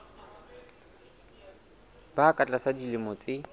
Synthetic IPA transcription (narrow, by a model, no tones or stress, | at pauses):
bakʼat͡ɬʼasadilɪmɔt͡sʼɪ